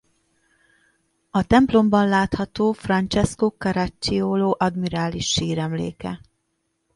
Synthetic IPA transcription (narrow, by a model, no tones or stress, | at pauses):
ɒt̪ɛmplo̞mbɒnlaːt̪hɒt̪oːfrɒnt͡ʃɛskokɒɾat͡ʃːioːloːʔɒd̪miɾaːliʃːiːɾɛmlḛːkɛ̰